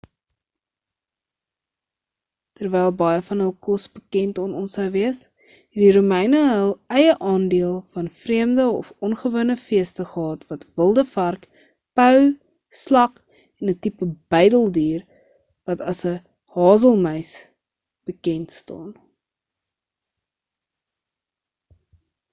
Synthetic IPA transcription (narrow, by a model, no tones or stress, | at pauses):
tərvɛjlˠbɐjəfɐnɦəlˠkɔsbəkɛntɔnɔnsəwviəs | ɛdiɾumɛjnəɦəlˠɛjəʔɑːndiəlˠfɐnfriəmdəɔfɔnχəvuənəfiəstəχəɦɑːtvɐtvəlˠdəfɐrk | pœw | slɐk | ɛnətipəb̥ɛjdəlˠdyːr | vɐtɐsə | hɑːzəlˠməjs | b̥əkɛntstɑ̰ːn